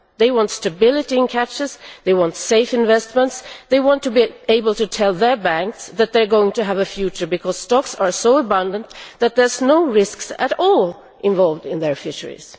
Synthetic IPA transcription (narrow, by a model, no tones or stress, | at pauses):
ðeɪwɑ̃ntstɨbɪlˠɨɾiɨ̃nkʰæt͡ʃɨzðeɪwɑ̃ntseɪfɨ̃ɱvɛstmə̃ntsðeɪwɑ̃ntʰɨbieɪbəl̩ˠtɨtʰɛlˠðə˞bæ̃ŋksðæt̪̚ðə˞ɡoʊɪ̃ŋtɨəvɨfjʉt͡ʃə˞bɨkʰɔz̥stɑksə˞soʊəbʌ̃ndə̃nðæt̪̚ðə˞znoʊɹɪsksɨɾɔlˠ | ʔɪ̃ɱvɑlˠvdɪ̃nðə˞fɪʃə̰˞ḭz̥